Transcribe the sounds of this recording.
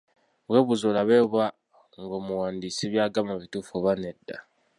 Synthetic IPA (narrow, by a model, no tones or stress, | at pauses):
βwe̞ːβuzolaβeːβwa | ŋɡo̞ːmuwaːndiːsiβjaːɡamaβituːfoβanedːa